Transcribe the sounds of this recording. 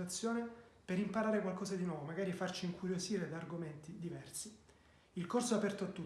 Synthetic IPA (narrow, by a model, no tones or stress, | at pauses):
at̪sːjoːnepeɾimpaɾaːɾekwalkɔːzad̪inwɔːvomaɡaːɾifart͡ʃiːŋkʰuɾjoziːɾed̪aːrɡomɛnt̪id̪ivɛrsi | ilkorsoapɛrt̪oat̪ːu